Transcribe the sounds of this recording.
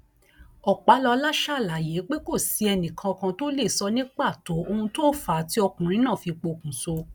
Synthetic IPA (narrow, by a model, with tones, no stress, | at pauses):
ɔ˨k͡pa˨˦lɔ˧la˦ʃa˦˨la˨˦˨je˨˦k͡pe˦ko˦˨si˨˦ɛ˧nĩ˨kʰã˧ɔ˧kã˧to˦le˦˨sɔ˦nĩ˦k͡pa˦˨to˨˦o˧hũ˧to˦fa˨ti˦ɔ˧kũ˨ɾ̃ĩ˨˦nãː˦˨fi˧k͡po˧˨kũ˨so˧